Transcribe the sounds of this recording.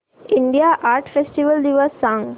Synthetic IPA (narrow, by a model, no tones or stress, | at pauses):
ĩɳɖijaːʔaːɾʈfesʈiʋəld̪iʋasãŋ